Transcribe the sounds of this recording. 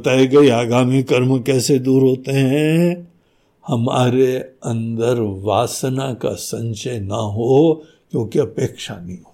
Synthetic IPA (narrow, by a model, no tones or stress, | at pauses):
t̪aːiɡɐiaːɡaːmikɐɾmkɛːsed̪uːɾɦoːt̪eɦɛ̃ | hɐma̰ːɾeɐ̃nd̪əɾʋaːsnaka̰sɐ̃ɲt͡ʃəjnɐɦo | kjõːkeɐpeːkʃanɐĩɦoː